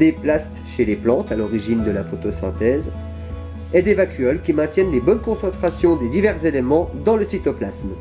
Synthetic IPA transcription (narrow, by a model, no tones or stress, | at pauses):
d̪eplast̪ʃeleplɑ̃t̪alɔʁiʒind̪əlafot̪osɛ̰̃t̪ɛz | ɛd̪evakʲyɔlkʲimɛ̃t̪jɛnlebɔnkɔ̃sɑ̃t̪χasjɔ̃d̪ed̪ivɛʁzelemɑ̃d̪ɑ̃ləsit̪oplasm